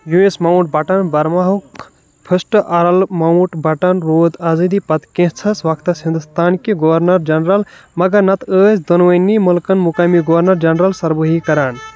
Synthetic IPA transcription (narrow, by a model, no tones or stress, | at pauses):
juesmauʈ̚bɐʈɐnbɐɾmaɦu | pʰəsʈʔɐɾɐlmawʈbɐʈɐnɾoːd̪ɐzid̪ipɐt̪kẽɦt͡sʰɐsʋakt̪ɐshĩnd̪ust̪aːnkiɡoʋɐɾnɐɾd͡ʒɐnɾɐlmɐɡɐɾnɐt̪əːsʰd̪onʋɐnːimɐlkɐnmukɐmiɡoʋɐɾnɐɾd͡ʒɐnɾɐlsɐɾbəɦikɐɾaːn